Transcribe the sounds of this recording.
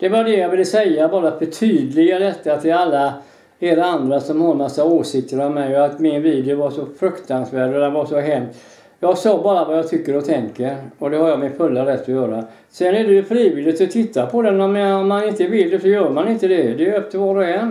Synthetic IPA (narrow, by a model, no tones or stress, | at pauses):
d̪̥ɛvaɖɛjɑvɪlːəsɛjːabɑːɾafœʈʰyːd̪lɪɡad̪ɛt̪ːat̪ʰɪlalːa | eːɾaand̪ɾasɔmhɑɾmasːaoːʂɪk̚t̪əɾɔmmɛjɔat̪mɪnviːd̪ɪʊvasɔfɾɵkt̪ansvæːɖɔd̪ɛnvaʂɔɦɛmt̪ | jɑːɡsɑːbɑːɾavajɑːt̪ʰʏkːəɾɔt̪ʰɛŋkəɾɔd̪ɛhaɾjɑmɪnfɵlːaɾɛt̪ːɔjœːɾa | sɛnæɖɛjʉfɾiːvɪlːɪt̪ɔt̪ʰɪt̪ːapʰɔd̪ɛnːɔmɔmːanɪnt̪əvɪld̪ɛsɔjœːɾmanɪnt̪əd̪ɛd̪ɛɛp̚t̪ʰəɾvɑːɾɔɛn